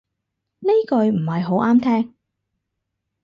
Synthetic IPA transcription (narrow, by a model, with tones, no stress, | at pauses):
ne˥jkɵ˧ɥm̩˨˩hɐ˨jɦo˨˥wʔaː˥mt̪ʰɛː˥ŋ